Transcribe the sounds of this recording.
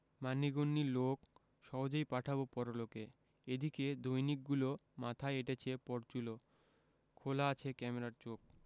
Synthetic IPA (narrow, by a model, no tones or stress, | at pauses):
manːiɡonːilok | ʃɔɦod͡ʑojpaʈʰabopɔɾoloke | ed̪iked̪ojnik̚ɡulomat̪ʰaeeʈet͡ɕʰepɔɾt͡ɕulo | kʰolaat͡ɕʰekɛmeɾaɾt͡ɕok̚